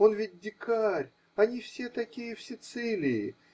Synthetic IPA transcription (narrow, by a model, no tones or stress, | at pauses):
o̞nvʲit̚ʲd̪ʲɪkarʲ | ɐnʲifsʲet̪ɐkʲijəfsʲɪt̪sɨlʲɪjɪ